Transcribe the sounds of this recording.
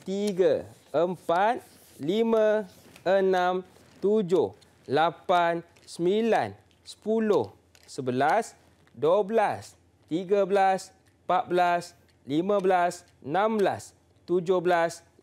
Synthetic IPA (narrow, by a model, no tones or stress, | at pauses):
t̪iɡa | əmpat̪̚ | limãənãm | t̪ud͡ʒʊh | lapan | səmila̰n | sə̥pulʊh | səbəlas | dəbəlas | t̪iɡabəlas | pat̪̚bəlas | limãblas | ənãmbla̰s | t̪ud͡ʒʊhbəlas